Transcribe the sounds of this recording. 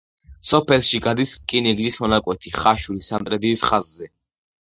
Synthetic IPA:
sɔpʰɛlˠʃiɡad̪iskʼinɛɡzismɔnakʼwɛt̪ʰiχaʃulisant̪ʼɾɛd̪iːsχazːɛ

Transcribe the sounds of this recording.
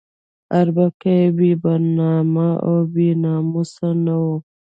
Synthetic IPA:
aɾbakebibaɾnamaobinamusanawo

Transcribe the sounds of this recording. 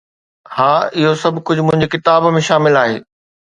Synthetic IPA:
haːɪɦosɐbʱkʊd͡ʑʱmʊ̃ɦɪ̃ɲd͡ʑekɪt̪aːbmẽʃaːmɪlaːɦḛː

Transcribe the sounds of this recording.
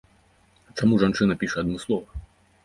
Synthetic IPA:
t̪samuʐant͡ʂɨnɐpʲiʂɛɐd̪̚nɔslˠɔvɐ

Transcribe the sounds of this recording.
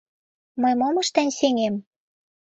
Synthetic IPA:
mɤjmomɤ̆ʃt̪ænʲseŋem

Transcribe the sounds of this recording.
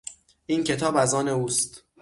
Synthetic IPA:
ʔiːncʰe̞t̪ʰɒːbæzɒːne̞uːst̪

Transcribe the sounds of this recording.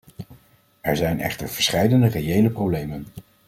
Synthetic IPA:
ɛɹzɛjnɛ̰χtəɹv̥əɹsχɛjdəndərejejləprowblejmən

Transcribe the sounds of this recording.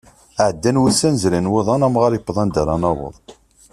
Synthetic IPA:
aʕəd̪ːænwusænzɾænwɪðˤɑnæmʁaɾjəpːðˤɑnd̪æɾˤɑnɑwə̰ðˤ

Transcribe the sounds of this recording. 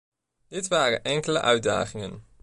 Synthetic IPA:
d̥ɪtʋaːrə̰nʔɛŋkələ̰ʔœɥda̰ːχɪŋən

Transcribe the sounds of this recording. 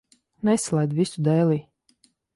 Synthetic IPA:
nɛslˠɛjd̪visud̪ɛːlˠiː

